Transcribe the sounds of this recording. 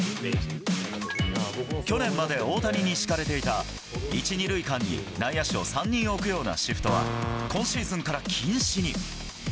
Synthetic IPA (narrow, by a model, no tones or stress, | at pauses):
kʲo̞nẽ̞mːad̪e̞o̞ːt̪aɲʲiɲ̟iɕi̥kaɾe̞t̪e̞it̪a | it͡ɕiɲʲiɾɯ̟ikãɲ̟ːḭnaijaɕio̞̰sãɲ̟ːĩɰ̃o̞ːkɯ̟jo̞ːna̰ɕiɸɯ̟̥t̪o̞βa̰kõ̞ɰ̃ɕiːzɨ̃ŋkaɾakʲʰĩɰ̃ɕiɲ̟i